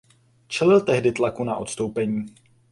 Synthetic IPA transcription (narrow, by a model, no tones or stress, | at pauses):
t͡ʃɛlɪlt̪ɛɦdɪt̪lakunaʔo̞t̪st̪owpɛɲiː